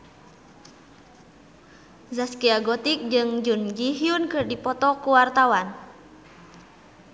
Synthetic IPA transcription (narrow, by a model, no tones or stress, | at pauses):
zaskiaɡɔt̪ik̚d͡ʒɨŋd͡ʒund͡ʒiɦiunkɨrdipɔt̪ɔkuwart̪awan